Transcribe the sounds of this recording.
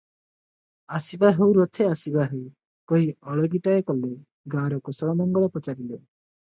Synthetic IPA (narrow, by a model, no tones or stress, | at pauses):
asibaɦewɾot̪ʰeasibaɦew | koɦiɔɭɔɡiʈaekɔlːe | ɡaɾɔkɔsɔɔmɔŋɡɔɭɔpɔt͡ʃaɾile